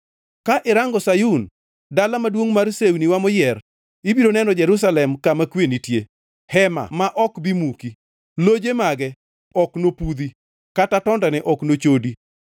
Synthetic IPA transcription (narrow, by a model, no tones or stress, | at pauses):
kaʔɪɾaŋɡɔsajun | dalamadwoŋmarseuniwamɔjɛr | ibiɾonɛnɔd͡ʒɛɾus̬alɛmkamakwenitje | hɛma̰maʔɔkbimuki | lod͡ʒemaɡɛ | ɔknopud̪i | katatɔndanɛʔɔknot͡ʃodi